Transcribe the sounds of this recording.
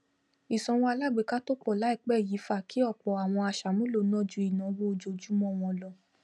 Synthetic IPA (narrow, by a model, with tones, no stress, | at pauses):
i˨sɔ̃˧w̃ɔ̃˧a˧la˦˨ɡ͡be˨˦ka˦to˦k͡pɔ˦˨la˨˦i˦˨k͡pɛ˦˨ji˨˦fa˦˨kʰi˨˦ɔ˦˨k͡pɔ˨a˨w̃ɔ̃˧a˧ʃa˨mũ˦lo˧˨nɔ̃˦d͡ʒu˧˦i˨nã˨wo˦o˧d͡ʒo˧˨d͡ʒu˨˦mɔ̃˦˨w̃ɔ̃˧lɔ˧˨